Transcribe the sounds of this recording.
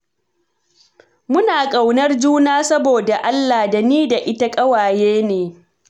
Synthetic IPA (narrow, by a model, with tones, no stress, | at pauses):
mʊ˦naː˨kʼa˨wnɐ˦rd͡ʒuː˦naː˦sɐ˦boː˨da˨ʔa˦lːa˨da˨niː˦da˨ʔɪ˦ta˦kʼɐ˦waː˨jeː˦neː˨